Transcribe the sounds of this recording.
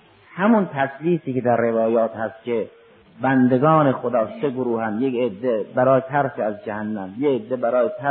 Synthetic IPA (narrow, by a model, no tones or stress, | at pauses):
hæmʊnt̪ʰæsliːsiːked̪æɾːevɒːjɒːt̪hæst̪̚kʲʰe | bænd̪eɡɒːnexod̪ɒːseɡoɾuːhænd̪jeked̪ːebæɾɒːjet̪ʰæɾsiæzd͡ʒæhænːæmjeːd̪ːebæɾɒːjet̪ʰæ